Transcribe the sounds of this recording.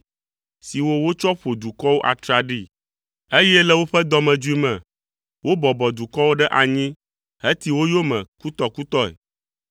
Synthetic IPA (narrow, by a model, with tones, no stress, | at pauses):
si˨wo˦wo˦t͡ʃɔ˦ɸo˨d̪u˨kɔ˦wo˦ʔa̰˨t̪ɾa˨ɖi˦ | e˦jɛ˦lɛ˦wo˦ɸɛ˦d̪ɔ˨mɛ̃˨d͡ʒu˦i˦mɛ̃˨ | wo˦bɔ˨bɔ˨d̪u˨kɔ˦wo˦ɖɛ˦ʔa˨ɲĩ˦ | ɦe˦t̪i˦wo˦jo˦mɛ̃˨ku˦t̪ɔ˦ku˦t̪ɔ˦ɛ̰˨